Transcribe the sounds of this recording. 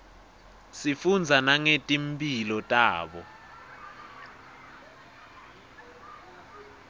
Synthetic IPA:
sifund͡zʱanaŋetʼimpʼilɔtʼaːɓɔ

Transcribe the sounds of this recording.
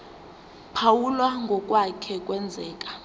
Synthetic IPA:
pʰawulwaŋɡʱɔkʼwakʰɛkʼwɛnd͡zʱɛːkʼḁ

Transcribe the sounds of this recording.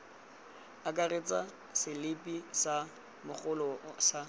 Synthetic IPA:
akʼaret͡sʼa | sɪlɪpʼisa | mʊχʊlɔsa

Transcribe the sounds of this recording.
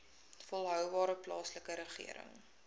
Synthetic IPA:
fɔlˠɦœwvɑːɾəplɑ̰ːsləkəɾəχḭəɾə̰ŋ

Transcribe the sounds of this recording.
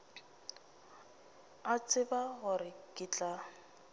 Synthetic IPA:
at͡sʼɪbaɣʊrɪkʼɪt͡ɬʼa

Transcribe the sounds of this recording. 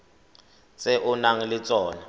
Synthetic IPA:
t͡sʼɛʔʊnaŋ̩lɪt͡sʼɔːna

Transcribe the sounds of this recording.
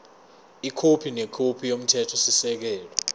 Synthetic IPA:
ikʰopʰinɛkʰopʰijom̩tʰɛtʰɔsisɛk̬ɛːlɔ

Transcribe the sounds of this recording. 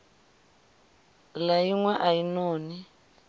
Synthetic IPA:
lajiŋwaʔainɔːni

